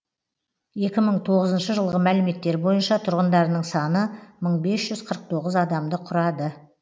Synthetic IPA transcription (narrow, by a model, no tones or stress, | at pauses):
je̞kʲɪməɴt̪ʰo̞ʁəzənʃəʒəlˠʁəmælɪme̞t̪ːe̞ɾbo̞jənʃɑt̪ʰʊɾʁənd̪ɑɾnəɴsɑnəməɴbe̞sʒʏz̥qʰəɾəq̚t̪ʰo̞ʁəzɑd̪ɑmd̪əqʰʊɾɑd̪ə